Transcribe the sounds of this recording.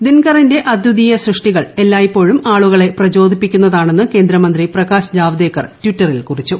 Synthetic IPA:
d̪inkɐrinde̞ʔɐd̪jud̪iːjɐɕrɨʂʈiɣɐɭe̞lːaːjipːo̞ːɻumaːɭuɣɐɭe̞prɐd͡ʑo̞ːd̪ʱipːikʲːunːɐðaːɳe̞nːɨke̞ːnd̪ɾɐmɐnd̪riprɐɣaːɕd͡ʑaːʋd̪eːkːɐrtwitːɐrilkurit͡ɕːu

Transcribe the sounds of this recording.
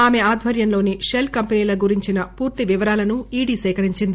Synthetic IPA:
aːme̞aːd̪ʱʋɐɾjɐnlo̞ːniʃelkɐmpeniːlɐɡuɾiɲt͡ʃinɐpuːɾt̪iʋiʋɐɾaːlɐnuiːɽiːsɛːkɐɾiɲt͡ʃind̪i

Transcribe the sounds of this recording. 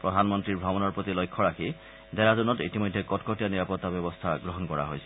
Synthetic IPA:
pɾɔd̪ʱanmɔnt̪ɾiɾbʱɾɔmɔnɔɾpɾot̪ilojkʰːɔɾakʰi | d̪ɛɾadunɔtit̪imojd̪ʱːekɔtkʰoʈijaniɾapɔt̪ːabɛbɔst̪ʰaɡɾoɦɔnkɔɾa̰ɦojt͡ɕʰi̥

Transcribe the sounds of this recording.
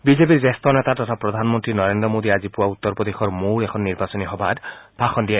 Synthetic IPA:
bizep̬iɾzest̪ɔnet̪at̪ɔt̪ʰapɾɔd̪ʱanmɔnt̪ɾinɔɾendɾɔmod̪iazipuwaut̪ːɔɾpɔd̪exɔɹmoɹekʰɔnːiɾbasɔniɦɔbʱa̰d̪bʱaxɔnd̪ija

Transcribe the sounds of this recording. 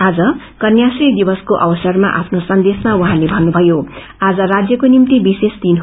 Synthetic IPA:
ad͡zʌ | kʌnjasrid̪ibʌskoʔʌbʌsʌrmaʔa̰pʰnosʌnd̪esmauɦãlebʱʌnːubʱʌjo | ad͡zʌrad͡zjʌkonimt̪ibisesd̪inɦ

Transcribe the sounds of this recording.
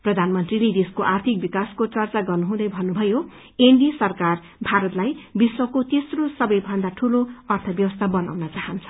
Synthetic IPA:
prʌd̪ʱanmʌnt̪riled̪eskoʔart̪ʰik̚bikaskot͡sʌrt͡saɡʌrnuɦũd̪ʌjbʱʌnːubʱʌjo | eɳɖisʌrkar | bʱaɾʌt̪lajbiswʌkot̪esrosʌbʌjbʱʌnd̪aʈʰuloʌrt̪ʰʌbjʌwʌst̪ʰabʌna̰wnʌt͡saɦʌnt͡sʰʌ̥

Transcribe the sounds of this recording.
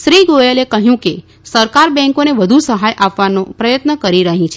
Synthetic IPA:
ʃɾiɡojelekəɦjũke | səɾkaɾbɛ̃ŋkoneʋəd̪ʱusəɦajʔapʋanopɾəjət̪nəkəɾiɾəɦĩt͡ʃʰe

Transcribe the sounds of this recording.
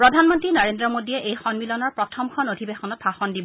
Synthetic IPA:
pɹɔdʱanmɔntɹinaɹendɹɔmodiɛʔejxɔnmilɔnɔɹpɹɔtʰɔmkʰɔnodʱibexɔnɔt̚baxɔndibɔ

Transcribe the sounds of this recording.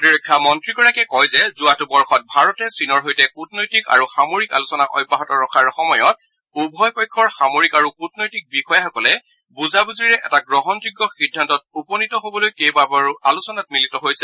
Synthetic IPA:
iɹɔjkʰːamɔntɹikɔɹakɛkɔjzɛzuatubɔɹxʰɔt̚bʱaɹɔtɛsinɔɹɦojtɛkutnojtika̰ɹuxamoɹika̰lusɔnaʔɔ̰jbːaɦɔtɔɹɔxʰaɹxɔmɔjɔt | ubʱɔjpɔjkʰːɔɹxamoɹikaɹukutnojtik̚bixɔjaxɔkɔlɛ | buzabuzɹiɹɛʔɛtaɡɹɔɦɔnzuɡːɔxidʱːantɔt̚upɔnitɔɦobɔlojkejbabaalusɔnat̚militɔɦojsɛ

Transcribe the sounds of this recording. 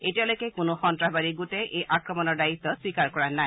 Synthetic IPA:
etijalojkɛkʊnʊxɔntɹabaɹiɡutɛʔejʔakɹɔmɔnɔɹdait̪ːɔswikaɹkɔɹanaj

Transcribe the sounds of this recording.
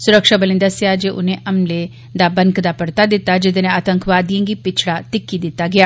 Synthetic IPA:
sʊɾəkʃaːbəlɪ̃nd̪asɪjaːd͡ʒeːʔʊ̰nẽːʔəmleː | d̪aːbənkd̪aːpəɽt̪aːd̪ɪt̪ːaːd͡ʒɪd̪eːnẽːaːt̪əŋkʰʋaːd̪ijãːɡiːpɪt͡ʃʰɽaːt̪ɪkːiːd̪ɪt̪ːaːɡɪjaː

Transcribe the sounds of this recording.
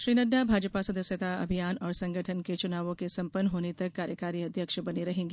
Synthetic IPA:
ʃɾiːnəɖabʱaːd͡ʒəpasɐd̪əsjət̪aɐ̰bʱijaːnɔːɾsɐ̃ŋɡəʈʰənket͡ʃʊnaːʋõkesɐ̃mpənːɦoːnet̪ɐkːaːɾjəkaːɾiɐd̪ʱjəkʃbɐniɾɐɦẽːŋɡe

